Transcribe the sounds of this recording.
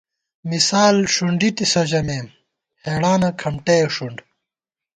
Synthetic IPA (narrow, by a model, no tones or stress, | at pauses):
misaːlʂuɳɖit̪isod͡ʑɐmeːm | heːɽaːnɐkʰɐmʈejoʂuɳɖ